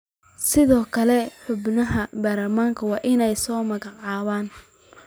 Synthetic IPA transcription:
sɪðɔːkʰɐlɛħʊbnɐɦɐbaːrlɐmaːŋkʰɐwɑːʔɪnɛjsɔːmɐɣɑʕɑːβaːn

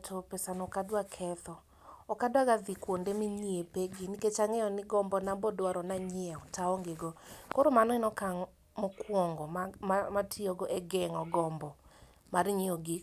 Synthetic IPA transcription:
tʰopesanɔkadwakʰɛt̪ɔ | ɔkadwaɡaðikwondemiɲiepeɡiniket͡ʃaŋɛɔnɪɡɔmbɔnambɔdwaɾɔnaɲɪɛɔtaɔŋɡeɡɔkoɾomanɔɪnɔkaŋ | mɔkwɔŋɡɔmamatʰioɡɔʔeɡɛŋɔɡɔmbɔ | maɾɲioɡi

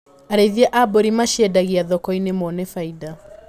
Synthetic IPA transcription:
aɾeiðiɛʔaboɾimaʃjɛdaɣiaðɔkɔinemɔnefaida

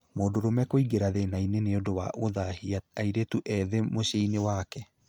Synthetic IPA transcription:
moːndoɾomɛkoiɡeɾaðenaineneodowa̰ʔoðahiaaiɾetuʔɛðemoɕeinewakɛ

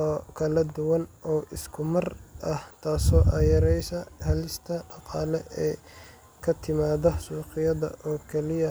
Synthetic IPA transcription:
ɔːkʰɐlɐd̪ʊwɐnɔːʔɪskʰʊmɐrʔɐht̪ʰaːsɔːʔɐːjɐɾɛjsɐhɐlɪst̪ʰɐɖɑqɑːlɛʔɛː | kʰɐt̪ʰɪmaːðɐsuːqɪjɐðɐ̰ʔɔːkʰɛlɪjɐ

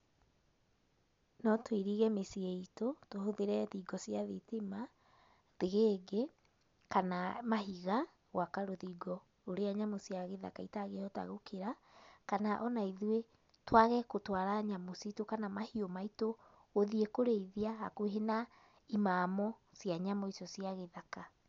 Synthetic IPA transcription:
nɔtweɾiɣɛmesieitotohoðeɾɛðiɡɔsiaðitima | ðeɣeɡe | kanamaɦiɣa | ɣwakaɾoðiɡɔ | oɾeaɲamosiaɣeða̰kaitaɣeɔta̰ɣokʰeɾa | kanaʔɔnaiðwe | twaɣɛkotwaɾaɲamositokanamahiomaito | oðiekoɾeiðiahakweɦena | imamɔsjaɲamoisɔsiaɣeðaka

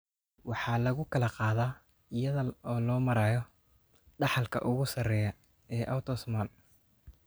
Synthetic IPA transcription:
wɑħɑːlɐɣʊkʰɐlɐqɑːðaː | ɪjɐðɐɔːlɔːmɐɾaːjɔ | ɖɑħɑlkʰɐ̰ʔʊɣʊsɐrɛjɐ | ɛːʔɐwt̪ʰɔsmɐl

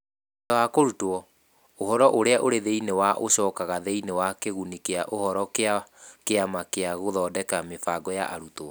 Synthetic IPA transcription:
dɔakoɾutoɔ | oɦɔɾɔʔoɾeaʔoɾeðeinewaʔoɕɔːkaɣaðeinewakeɣunikeaʔohɔɾɔkakeamakeaɣoðɔːdɛkamefaɡɔja̰ʔaɾuto

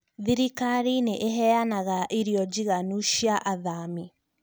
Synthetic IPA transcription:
ðiɾikaɾineʔeɦɛanaɣaʔiɾiɔd͡ʒiɣanuʃiaʔaðami

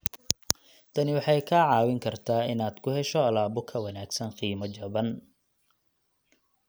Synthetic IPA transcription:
t̪ʰɐnɪwɑħɑjkʰaʕɑːwɪŋkʰɐrt̪ʰaːɪnaːd̪̥kʰʊhɛʃɔɐlaːbʊkʰɐwɐnaːɡsɐnqiːmɐt͡ʃɐβɐn

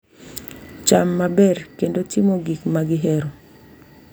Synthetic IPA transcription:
t͡ʃamːabɛrkendotɪmoɡikmaɡɪɦɛɾo

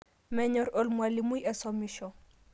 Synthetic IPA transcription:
mɛɲɔɾolmwalimujɛsɔmiʃɔ

